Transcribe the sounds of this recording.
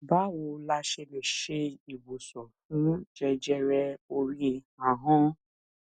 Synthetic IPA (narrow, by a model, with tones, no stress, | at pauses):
ba˨˦wo˧la˧ʃe˧le˨ʃe˧i˨wo˨sɔ˨fũ˨˦d͡ʒɛ˧d͡ʒɛ˧ɾɛ˧o˧ɾĩ˦˧ | ã˨ɦɔ̃˦